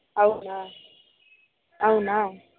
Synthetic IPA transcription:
awʊnaː | aʊna

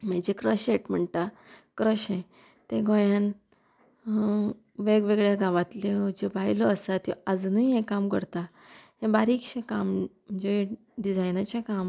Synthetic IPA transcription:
m̤əd͡ʑekɾəɕjeʈm̤əɳt̪a | kɾəɕẽ | t̪ẽɡõjan | ʋeɡʋeɡɭjaɡãʋat̪led͡ʑebaɦilɔːsat̪jɔ̰ad͡znuiɦẽkamkəɾt̪a | ɦẽbaɾikɕẽkamm̤əɳd͡ʑe | ɖid͡zajnat͡ɕakam

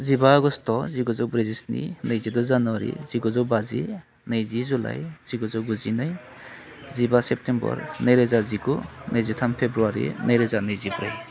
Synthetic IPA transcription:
zibaːɡɔstʰɔziɡɔzɔwbɾezisnḭnɯjzidɔzanwaɾḭziɡɔzɔwbazḭ | najzizula̰jz̥iɡɔzɔɡuzinaj | zibasep̚tʰembɔ̰ɾnajɾazaziɡunʔajzitʰampʰebɾuaɾḭnajɾazanɯjzibɾaj

